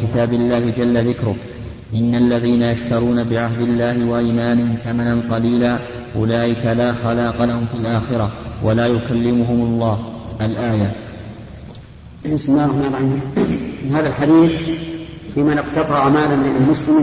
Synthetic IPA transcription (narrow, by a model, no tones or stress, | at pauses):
kɪt̪aːbɪlːaːhɪd͡ʒalːaðɪkɾʊ | ʔɪnːaʔlːaðiːnajaʃt̪ɑɾˤuːnabɪʕahd̪ɪlːaːhɪwaʔiːmaːnɪhɪmθamananqɑliːlaː | ʔʊ̰laːʔɪkalaːxalaːqɑlahʊmfiːlʔaːxɪɾawʔa̰laːjʊkalːɪmʊɦʊmʊlˤːɑːhʔalʔaːja | ɪsmɪlːaːɾˤɑħmarˤɑi | haːðalħad̪iːθ | fiːmanɪqt̪ɑt̪ˤɑʕamaːlamalmʊslɪm